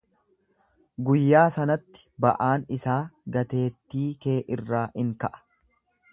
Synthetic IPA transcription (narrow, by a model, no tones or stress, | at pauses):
ɡʊjːaːsɐnɐt̪ːɪ̥bɐʔaːnɪsaːɡɐt̪e̞ːt̪ːiːke̞ːʔɪrːaːʔɪŋkɐʔɐ̥